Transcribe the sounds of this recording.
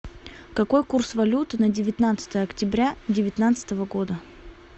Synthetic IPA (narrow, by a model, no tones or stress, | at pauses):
kɐko̞jkursvɐlʲut̪ɨnədʲɪvʲɪt̪nat̪sə̥t̪əjəɐktʲɪbɾʲadʲɪvʲɪt̪nat̪sɨ̥t̪əvəɡo̞d̪ə